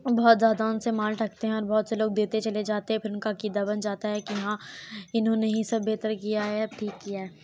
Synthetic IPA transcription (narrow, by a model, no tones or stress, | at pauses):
bɔɦːt̪zjaːd̪aʊnsemaːlʈɐk̚t̪eɦɛ̃ɔːɾbɔːt̪seloːɡ̚d̪eːt̪et͡ʃɐled͡ʒaːt̪eɦɛ̃pʰɪɾʊnkakiːd̪abɐnd͡ʒaːt̪aɦɛkiɐɦãɪnɦõneɦĩsɐbbeːt̪əɾkijaɦɛʈʰiːkːiaɛː